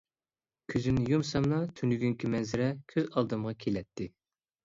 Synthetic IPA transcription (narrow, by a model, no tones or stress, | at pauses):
kʲʰøzynɪjumsɑmnɑt̪ʰynyɡʲyŋkʲʰimɛnzɪɾɛkʲʰøzɑlˠd̪ɨmʁɑkʲʰelɛt̪ʰːɪ